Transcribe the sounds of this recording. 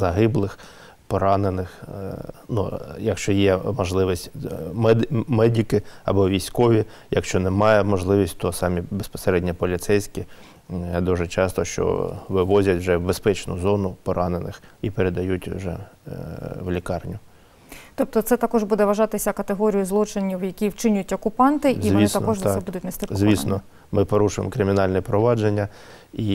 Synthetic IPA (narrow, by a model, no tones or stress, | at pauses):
zɐɦɪblˠɪx | pɔɾɑnenɪx | nujɐkʃt͡ʃɔjɛmɔʒlˠɪʋisʲtʲmɛd̪mɛdʲikɪɐ̰bɔʋʲijsʲkɔʋʲi | jɐkʃt͡ʃɔnɛmɑjɛmɔʒlˠɪʋʲisʲtʲt̪ɔsɑmʲibespɔ̥seɾɛdʲnʲɐpɔlʲit̪sɛjsʲkʲi | d̪uʒɛt͡ʃɑst̪ɔʃt͡ʃɔ̰ʋɪʋɔzʲɐtʲwʒɛwbespɛt͡ʃnʊ̰zɔnʊpɔɾɑnenɪ̰xipeɾed̪ɐjutʲwʒɛ̰ | ʋlʲikɑrnʲʊ | t̪ɔp̚t̪ɔt̪sɛt̪ɐkɔʒbud̪ɛʋɐʒɑt̪ɪsʲɐkɐt̪eɦɔɾʲijʊzlˠɔt͡ʃɪnʲiwjɐkʲiwt͡ʃɪnʲjʊtʲɔkʊpɑnt̪ɪʔziʋist̪ɐnkɔʒɛbud̪ʊtʲnɐsʲt̪ʲɪɔzʲʋisnɔ | mɪpɔɾuʃʊjḛmkɾɪmʲɪnɑlʲnɛpɾɔʋɑd͡ʒenʲːɐ | i